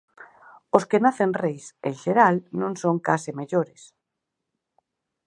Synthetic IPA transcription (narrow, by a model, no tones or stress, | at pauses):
oskenaθenrejsẽŋʃeɾalnõŋsoŋkasɪmeʎoɾes